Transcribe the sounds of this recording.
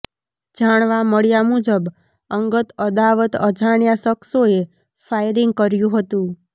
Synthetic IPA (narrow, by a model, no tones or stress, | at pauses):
d͡ʒaɳ̃ʋaməɭjamud͡ʒəb | əŋɡət̪əd̪aʋət̪əd͡ʒʱaɳjasəksoe | fajɾɪŋɡ̚kəɾjũɦət̪ũ